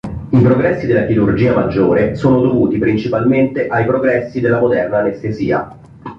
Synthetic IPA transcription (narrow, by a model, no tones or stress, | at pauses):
ipɾoɡɾɛsːid̪elːakiɾurd͡ʒiːamad͡ʒːoːɾesoːnod̪ovuːt̪ipɾint͡ʃipalment̪eʔajpɾoɡɾɛsːid̪elːamod̪ɛrnaːnest̪ezḭːa̰